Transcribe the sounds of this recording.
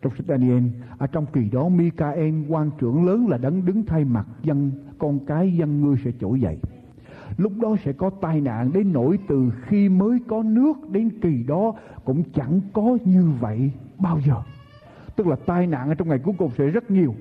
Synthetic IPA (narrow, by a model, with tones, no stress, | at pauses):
t͡ɕɔ˧wŋ͡msa˦˥k̚ɗaː˧ni˧ʔɛ˧nʔəː˧˩t͡ɕɔ˧wŋ͡mki˨˩ɗɔ˨˦mi˧kaː˧ʔɛ˧nkwaː˧nt͡ɕɨ̰˧˩əŋləː˨˦nlaː˨˩ɗə˨˦nɗɨ˨˦ŋt̪ʰa˧jma˨˩t̚zə˧nkɔ˧nkaː˨˦jzə˧nŋɨ˧əjsɛ̰˧˥t͡ɕo̰˧˩jzə̰˧˨jʔ | lʊ˦˥k͡p̚ɗɔ˨˦sɛ̰˧˥kɔ˨˦t̪aː˧jna̰ː˧˨nɗe˨˦nːo̰˧˩˨jt̪ɨ˨˩xi˧məː˨˦jkɔ˨˦nɨ˦˥ək̚ɗe˨˦nki˨˩ɗɔ˨˦kʊ̰˧˥ŋ͡mt͡ɕa˧˩ŋkɔ˨˦ɲɨ˧və̰˧˨jɓaː˧wzəː˨˩ | t̪ɨ˦˥k̚laː˨˩t̪aː˧jna̰ː˧˨nʔəː˧t͡ɕɔ˧wŋ͡mŋa˨˩jku˨˦əjkʊ˨˩ŋ͡msɛ̰˧˥zə˦˥t̚ɲi˨˩əw